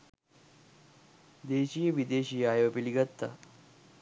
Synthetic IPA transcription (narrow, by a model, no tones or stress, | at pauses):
d̪eːʃijəʋid̪eːʃijaːjɐʋɐpiliɡɐt̪ːɐ̰